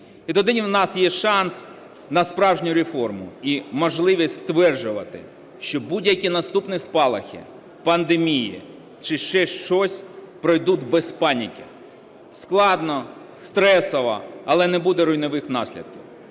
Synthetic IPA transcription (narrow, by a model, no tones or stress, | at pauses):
it̪ɔd̪ɪnʲwnɑsjɛʃɑns | nɐspɾɑwʒnʲʊɾefɔrmʊ̰imɔʒlˠɪʋʲisʲst̪ʋɛrd͡ʒʊʋɐt̪ɪ̰ | ʃt͡ʃɔbudʲjɐkʲinɐst̪upnɪspɑlˠɐ̰xʲḭ | pɐnd̪emʲijḭ | t͡ʃɪʃt͡ʃɛʃt͡ʃɔsʲ | pɾɔjd̪ud̪ʲbɛspɑnʲikʲɪ | sklˠɑd̪nɔ | st̪ɾɛsɔʋɐ̰ɐlˠɛnɛbud̪ɛɾʊjnɔʋɪxnɑsʲlʲḭd̪̥̚kʲiw